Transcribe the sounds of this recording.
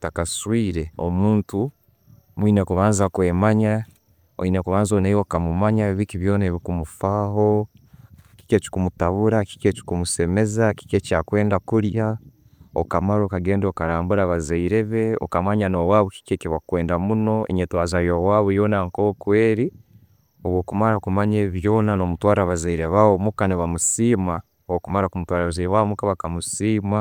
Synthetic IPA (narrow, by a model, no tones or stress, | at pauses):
takaswiːɾe̞o̰muːntu | mwine̞kuβaːnzakweːmaɲa | o̰inekuβaːnzonejokamumaɲaβikiβjo̞ːneβikumufaːɦo̞ | ki̥ceci̥kumutaβuɾaki̥ceci̥kumuse̞me̞zaki̥cecaːkwe̞ːndakuɾja | o̰kamaɾo̞ːkaɡe̞ːndokaɾaːmbuɾaβazaiɾe̞βe̞o̰kamaɲanowaːβuki̥ceciβakwe̞ːndamuno̞ḛɲetwaːzajowaːβujo̞ːnaŋkokwe̞ːɾi | oβwoːkumaɾakumaɲeβjo̞ːnano̞mutwaːɾaβazaiɾeβaβomukaniβamusima | owokumaɾakumutwaːɾaβazawamukaβakamusima